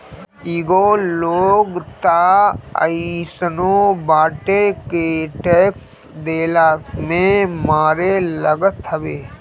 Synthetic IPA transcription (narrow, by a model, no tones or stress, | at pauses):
iːɡoːloːɡt̪aə̰isənobaːʈekeʈeːks | d̪eːlaːmẽmaːɾeləɡət̪ʰːəʋeː